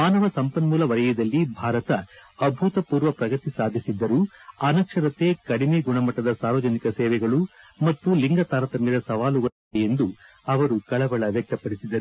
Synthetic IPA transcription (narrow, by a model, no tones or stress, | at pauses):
maːnɐʋɐsɐmpɐnmuːlɐʋɐɾɐjid̪ɐlːibʱaːɾɐt̪ɐːbʱut̪ɐpuːɾʋɐpɾɐɡɐt̪isaːd̪ʱisid̪ːɐɾuɐnɐkʂɐɾɐt̪e̞ːkɐɽimeːɡuɳɐmɐʈːɐd̪ɐsaːɾʋɐd͡ʒɐnikɐsɛːʋɛɡɐɭumɐt̪ːuliŋɡɐt̪aːɾɐt̪ɐmeːd̪ɐsɐʋaːluɡɐ | jend̪u | ɐʋɐɾukɐɭɐʋɐɭɐʋjɛk̚t̪ɐpɐɽisid̪ɐɾu